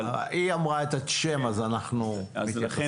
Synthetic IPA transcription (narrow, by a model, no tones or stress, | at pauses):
iamʁaet̪aʃemazanaχnumit